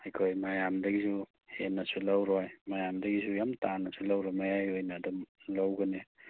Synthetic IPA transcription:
hajkʰojmajamdɐɡizu | henːɐsulawɾɔjmajamdɐɡizujamtanɐsʰulawɾamajajojnaːdɔmlawɡɐne

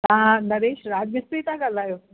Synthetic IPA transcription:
ãːnɐɾeːʃɾaːd͡ʑmɪsɾit̪ãɡalaːjoː

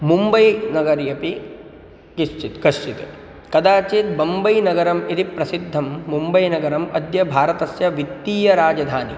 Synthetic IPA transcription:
mumbɐjnɐɡɐɾjɐpi | ɡiʃt͡ʃit̪ɡɐʃt͡ʃit̪e | kɐd̪aːt͡ʃeːt̪̚bɐmbɐjnɐɡɐɾɐmit̪ipɾɐsid̪ʱːɐmːumbɐjnɐɡɐɾɐmɐd̪jɐbʱaːɾɐt̪ɐsjɐʋit̪ːiːjɐɾaːd͡ʒɐd̪ʱaːni

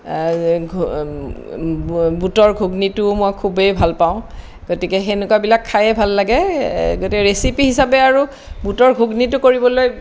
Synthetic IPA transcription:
ɡʱ | butɔɹɡʱuɡnitʊmojkʰubejbʱalpaʊ̃ | ɡ̥otikɛxenʊkabilakʰːajɛbʱalːaɡɛɡotikɛɹesipiɦisapɛaɹu | butɔɹɡʱuɡnitʊkoɹibɔloj

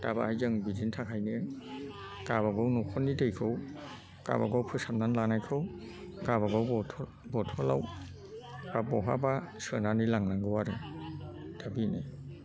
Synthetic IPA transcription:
taba̰hajzɯŋbidintʰakʰajnɯ | kaβaɡɔwnɔkʰɔnidejkʰɯw | ka̰ba̰ɡɔwpʰɯsam̚nanlanajkʰɯw | kaβaɡɔwɔtʰɔ | bɔtʰɔla̰w | babɔɦa̰basɯnanilaŋlaŋɡɯwaɾɯ | d̥ʰabine

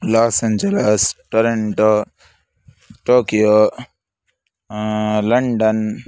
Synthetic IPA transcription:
laːsẽɲd͡ʒelesʈoɾeɳʈo | ʈoːkijoː | lɐɳɖɐn

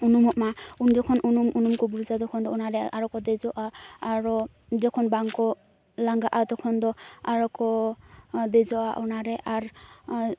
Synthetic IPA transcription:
unumɔʔmaunzɔkʰɔnʔunumunumkɔbuɾzad̪ɔkʰɔnd̪ɔɔnaɾɛʔaɹɔkɔd̪ezɔʔaaɹɔ | zɔkʰɔnbaŋkɔ | laŋɡaʔat̪ɔkʰɔnd̪ɔaɹɔkɔ | d̪ezɔʔaʔɔnaɾɛʔaɹ

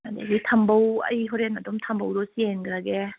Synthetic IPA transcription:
ada̰ɡitʰambawa̰jɦɔɾenadɔmtʰambawɾɔsienɡɾaɡe

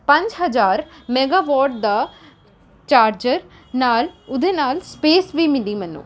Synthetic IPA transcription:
pɐɲt͡ʃɦɐd͡ʒaːɾmeɡaːʋɔːɾʈ̚d̪ɐ | t͡ʃaːɾd͡ʒɐɾ | naːlud̪enaːlspeːsʋiːmid̪imɐnːṵ

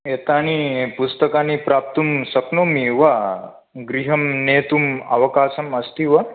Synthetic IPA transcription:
et̪añipust̪əkanipɾaːp̚t̪umsɐknomiʋɐ | ɡɾiɦɐmneːt̪uma̰ʋɐkaːsɐmɐst̪iʋɐ

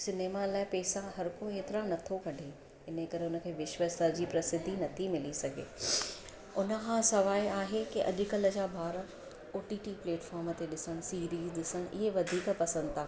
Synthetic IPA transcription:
sɪneːmalaːɪpɛːsãɦɐɾkoeːt̪ɪɾanɐt̪ʰokɐɖʱe | ɪnəkɐɾeʊnə̆kʰeːʋɪʃʋəst̪ad͡ʑiːpɾɐsɪd̪ʱːinɐt̪ʰimɪlisɐɡʱḛː | ʊnə̆kʰãsɐʋaːiaːɦekiʔɐ̰ʄʊkɐlə̆d͡ʑaːbʱaːɾə | oːʈiːʈiːpleːʈfaːɾmət̪eɗɪsəɽ̃̆siːɾiːzɗɪsəñʔɪɦeʋɐd̪ʱiːkpɐsə̃nd̪t̪ʰaː

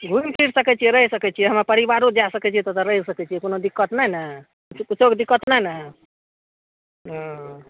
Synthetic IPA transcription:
ɡʱumpʰiɾsəkɛt͡ʃʰieɾəɦisəkɛt͡ʃʰijeɦəmapəɾibaɾod͡ʒasəkɛt͡ʃʰiet̪ot̪əɾəɦisəkɛt͡ʃʰijekonod̪ikːət̪nəɦnə | ut͡ʃoɡd̪ikːət̪nəɦnə | ɦɔ̃

